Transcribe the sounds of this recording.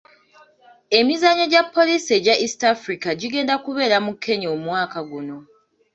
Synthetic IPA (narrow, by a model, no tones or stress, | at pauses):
e̞mizaɲo̞ɟapːo̞liːsieɟaʔistafɾikaɟiɡe̞ːndakuβe̞ːɾamukʰːe̞ɲoːmwaːkaɡuno̞